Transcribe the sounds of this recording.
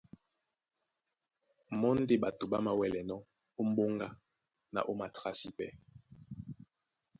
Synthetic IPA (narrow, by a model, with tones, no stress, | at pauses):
mɔ˦n˦de˦ba˨to˨ba˦ma˨wɛ˨lɛ˨nɔ˦ | o˦m̩˦bo˦ŋɡa˦ | na̰˨ʔo˦ma˨tʁa˦si˦pɛ˦